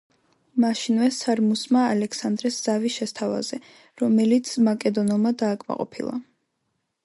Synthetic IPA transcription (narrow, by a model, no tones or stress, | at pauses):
maʃinvɛsaɾmusmaːlɛkʰsand̪ɾɛsz̥aviʃɛst̪ʰava̰z̥ɛ | ɾɔmɛlit̪sʰmakʼɛd̪ɔnɛlˠmad̪aːkʼma̰qʼɔ̰pʰḭlˠa̰